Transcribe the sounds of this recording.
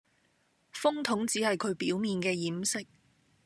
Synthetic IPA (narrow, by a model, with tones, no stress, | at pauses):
fʊ˥ŋt̪ʰʊ˨˥ŋt͡siː˨˥hɐ˨jkʰɵ˨˧ɥpiː˨˥wmiː˨nkɛː˧jiː˨˥msɪ˥k̚